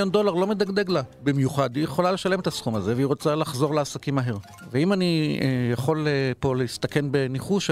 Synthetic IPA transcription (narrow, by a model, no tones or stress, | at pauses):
jond̪o̞laʁlo̞med̪aɡd̪e̞ɡlabimjuχad̪ijeχo̞lale̞ʃale̞me̞t̪asχumaze̞veiʁo̞t͡salaχzo̞ʁleasakimaɦe̞ʁ | veimanijaχo̞lepo̞leist̪ake̞nbe̞niχuʃ